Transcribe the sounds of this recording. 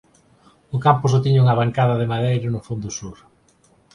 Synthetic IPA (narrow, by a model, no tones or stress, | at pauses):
ʊkampʊs̬ot̪iɲuŋɐβaŋkaðɐðemaðejɾɐnʊfond̪ʊsuɾ